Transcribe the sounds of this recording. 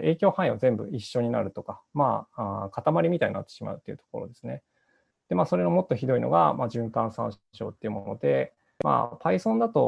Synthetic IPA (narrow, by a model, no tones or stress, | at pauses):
e̞ːkʲo̞ːhãĩazẽ̞mbɯ̟̰iɕːo̞ɲ̟ina̰ɾɯ̟t̪o̞kamaːakat̪amaɾʲimʲit̪aɲ̟inat̪ːe̞ɕima̰ɯ̟t̪ːe̞iɯ̟t̪o̞̥ko̞ɾo̞̰d̪e̞sɨne̞ | d̪̥e̞maːso̞ɾe̞nomo̞t̪ːo̞çid̪o̞ino̞̰ɡa̰maːʑɨ̃ŋkãɰ̃sã̰ɰ̃ɕo̞̰ːt̪ːe̞iɯ̟mono̞d̪e̞ | ma̰ːpʰaisõ̞nd̪at̪o̞